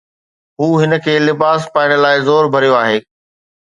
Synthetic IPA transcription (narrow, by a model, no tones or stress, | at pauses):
ɦuːɦɪnə̆kʰeːlɪbaːspaːɪɽ̃əlaːɪzoːɾbʱɐɾijoaːɦeː